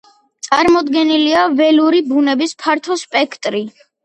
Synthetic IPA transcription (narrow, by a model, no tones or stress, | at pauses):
t̪sʼaɾmɔd̪ɡɛniliavɛluɾibunɛbispʰaɾt̪ʰɔspʼɛkʰt̪ʼɾi